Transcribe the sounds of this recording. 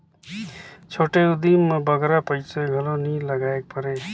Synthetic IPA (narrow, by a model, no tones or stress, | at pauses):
t͡ʃʰoʈeud̪inmʌbʌɡɾapəjt͡seɡʱʌloniləɡaek̚pʌɾe